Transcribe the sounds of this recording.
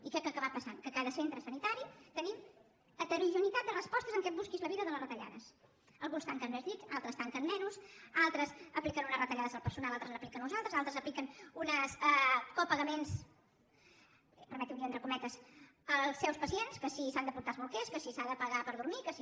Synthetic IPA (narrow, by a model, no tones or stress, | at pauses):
ikɛkəkəβat̪̚pəsaŋkəkaðəsent̪ɾəsənit̪aɾit̪ənim | ət̪əɾiʒunit̪at̪̚d̪ərəspɔst̪əzəŋkɛbuskizləβiðəðələrət̪əʎa̰ðəs | əlˠɣunst̪aŋkənmɛzðiksalˠt̪ɾəst̪aŋkənmɛnusalˠt̪ɾəsəplikənunəzrət̪əʎaðəzəlˠpəɾsunalˠalˠt̪ɾəznəplikənːuzalˠt̪əzalˠt̪ɾəzəplikənunəsɛkopəɣəmens | pəɾmɛt̪iuwkiənt̪ɾəkumɛt̪əz | əlˠsːɛwspəsienskəsisand̪əpuɾt̪alˠzβulˠkɛskəsisaðəpəɣapəɾðuɾmikəsi